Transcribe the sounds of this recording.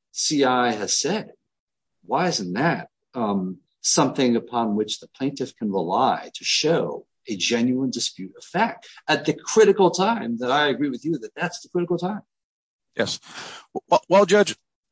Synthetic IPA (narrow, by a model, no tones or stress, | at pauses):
siaɪɨz̥sɛd̥̚ | waɪɪzɨ̃n̩ðɨt̚ | ʌ̃m | sʌ̃mθɪ̃ŋɨpʰɑ̃nwɨt͡ʃðəpʰl̥ẽɪ̃ntɨfkʰɨ̃n̩ɹəlaɪɾɨʃoʊ | ɨd͡ʒɛ̃njʉə̃ndɨspjʉɾʌv̥fæk̚tɨt̪̚ðɨkʰɹ̥ɪɾɨkl̩ˠtʰãɪ̃mðəɾaɪɨɡɹiwɨðjɨðɨt̪̚ðætsðəkʰɹ̥ɪɾɨkl̩ˠtʰãɪ̃m | jɛ̰s | wawaɪlˠd͡ʒʌd͡ʒ̚